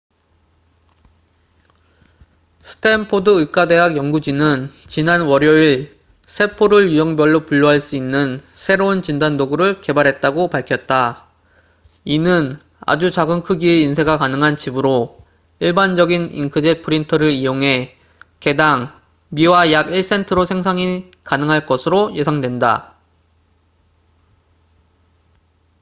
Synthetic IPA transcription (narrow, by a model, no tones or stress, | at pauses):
sʰɯ̥tʰe̞mpʰodɯɯk͈ade̞ɦaɡjʌŋɡud͡ʑinɯnt͡ɕinanwʌɾjʌiɭ | sʰe̞pʰoɾɯɭjujʌŋbjʌɭːopuʎːʌɦaɭs͈uinːɯnsʰe̞ɾount͡ɕindandoɡuɾɯɭke̞baɾɦe̞t̚t͈aɡopaɭkʰjʌt̚t͈a | inɯn | a̰d͡ʑut͡ɕaɡɯnkʰɯɡieinsʰe̞ɡakanɯŋɦant͡ɕibɯɾo | iɭband͡ʑʌɡinḭnkʰɯd͡ʑet̚pʰɯɾintʰʌɾɯɾijoŋɦe̞ | ke̞daŋ | miwajaɡiɭs͈e̞ntʰɯɾosʰe̞ŋsʰaŋi | kanɯŋɦaɭk͈ʌsʰɯɾoje̞sʰaŋdwe̞nda̰